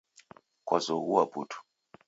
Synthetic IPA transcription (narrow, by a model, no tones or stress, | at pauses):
kwazɔɣuwaputʰu̥